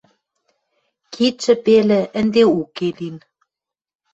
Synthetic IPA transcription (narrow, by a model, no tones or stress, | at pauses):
kʰit̪t͡ʃɘ̆pelɘ̆ʔɘ̆nd̪eukelin